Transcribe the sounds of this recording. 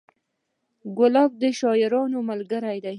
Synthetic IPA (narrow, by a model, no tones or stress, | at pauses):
ɡʊlɑb̚d̪əʃɑjɪɾɑnomalɡəɾajd̪aj